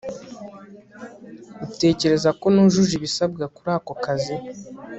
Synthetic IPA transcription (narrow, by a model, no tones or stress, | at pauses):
ute̞ːce̞ɾe̞zako̞nuʒuʒiβisab̚ɡakuɾaːkokazi